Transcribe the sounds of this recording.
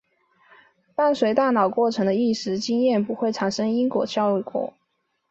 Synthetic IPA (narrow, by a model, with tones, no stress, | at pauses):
pa˥˩nswe˧˥ɪt̪a˥˩nɑ˨˩ʊkwɔ˥˩ʈ͡ʂʰɤ˧˥ŋd̪ə˧i˥˩ʂɻ̩˧˥t͡ɕi˥ŋjɛ˥˩npu˧˥xwe˥˩ɪʈ͡ʂʰa˨˩nʂɤ˥ŋi˥ŋkwɔ̰˨˩ɕʰjɑ˥˧ʊy˥˩kwɔ̰˨˩˦